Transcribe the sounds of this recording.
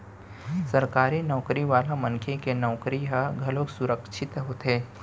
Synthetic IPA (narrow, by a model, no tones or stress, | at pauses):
sɐɾkaːɾinɔːkɾiʋaːlamɐ̃ŋkʰekenɔːkɾiaɡʱɐloksʊɾəkʃʰɪt̪ɦot̪eː